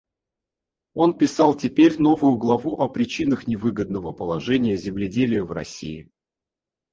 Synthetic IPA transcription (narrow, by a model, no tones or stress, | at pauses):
o̞npʲɪsɑlˠtʲɪpʲeɾʲn̪o̞vʊjʊɡlˠɐvuʔɐpɾʲɪt͡ɕinəxnʲɪvɨɡəd̪̚nəvəpəlˠɐʐɛnʲɪjəzʲɪmlʲɪdʲelʲɪjəvrɐ̰sʲḭɪ